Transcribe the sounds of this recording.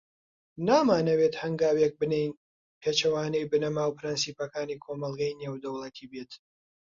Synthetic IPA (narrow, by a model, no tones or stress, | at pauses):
naːmaːnɐwet̪hɐŋɡaːwek̚bɨnejn | pʰeːt͡ʃɐwaːnejbɨnɐmaːwpʰɨɾɨnsiːpɐkaːniːkʰomɐlˠɡɐjneːwd̪ɐwlˠɐt̪ʰiːbeːt̪